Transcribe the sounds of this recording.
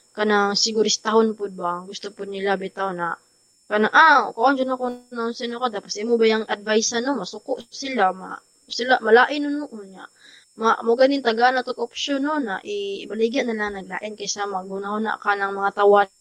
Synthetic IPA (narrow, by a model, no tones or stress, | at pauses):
kanaŋsɪɡʊɾɪst̪aɦonpʊd̪̚baŋɡʊst̪opʊd̪̚nɪlabɪt̪aona | kanaʔakoʔond͡ʒʊnakonnaonsɛnɐkod̪apasimobajaŋʔɐd̪̚vajsanomɐsʊkoʔsɪlama̰ | sɪlamɐlaːʔɪnʊnʊʔʊnɲaʔ | maʔmoɡanɪnt̪aɡaʔnat̪okʔopʃononːaʔɪbɐliɡaʔnɐlaŋnɐɡla̰ːʔɪnkɐjsamɐɡunahʊna̰ʔkanɐŋmɐŋat̪awa